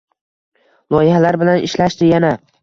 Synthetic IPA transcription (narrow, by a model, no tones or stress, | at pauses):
lˠɒjɪhalaɾbɪlanɪʃlaʃd̪ɪjana